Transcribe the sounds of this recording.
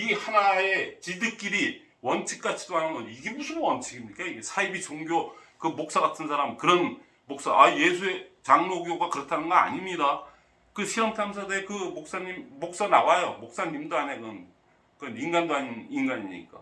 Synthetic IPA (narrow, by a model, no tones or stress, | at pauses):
ihanae̞t͡ɕidɯk͈iɾi | wʌnt͡ɕʰik̚k͈at͡ɕʰi̥doɦanɯnɡʌniɡe̞musʰɯbowʌnt͡ɕʰiɡimɲik͈aiɡesʰaibit͡ɕoŋɡjokɯmok̚s͈aɡatʰɯnsʰaɾamkɯɾʌn | mok̚s͈aʔaje̞sʰue̞t͡ɕaŋnoɡjoɡakɯɾʌtʰanɯnɡʌa̰ɲimɲida | kɯɕʰiɾʌmtʰamsʰadeekɯmok̚s͈aɲimːok̚s͈anawajomok̚s͈aɲimdoanekʌn | kɯʌninɡandoaɲninɡaɲiɲḭk͈a̰